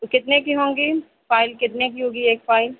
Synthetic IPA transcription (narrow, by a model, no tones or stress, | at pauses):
kɪt̪nekiɦõːŋɡi | faːɪlkɪt̪nekiɦõːɡieːk̚faːɪl